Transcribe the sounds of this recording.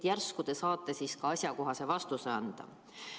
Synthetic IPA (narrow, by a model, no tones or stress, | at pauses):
jærskud̪̥e̞sɑːt̪ˑːe̞siːskɑɑsʲjɑko̞ɦɑse̞vɑst̪use̞ɑnd̪̥ɑ̰